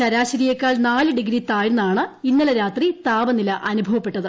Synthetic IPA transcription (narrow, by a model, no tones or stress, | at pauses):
t͡ɕɐɾaːɕɐɾijɐkːaːɭnaːlɨɖiɡɾit̪aːjunːaːɳɨinːɐlɐɾaːt̪rit̪aːbɐnilɐʔɐnubʱɐʋɐpːeʈːɐðɨ